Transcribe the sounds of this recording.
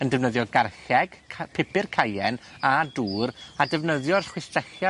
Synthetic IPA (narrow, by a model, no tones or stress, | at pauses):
əndɛvnəðjɔɡarxɛɡ̥ʰpʰɪpɪrkʰajɛnaduːradɛvnəðjɔrχwɪstrɛχja